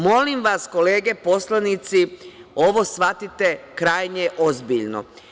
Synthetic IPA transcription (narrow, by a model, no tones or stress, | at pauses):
mo̞limʋasko̞leːɡe̞po̞slanit̪sio̞ʋo̞sʋat̪it̪e̞kɾaːjɲeʔo̞zbiʎno̰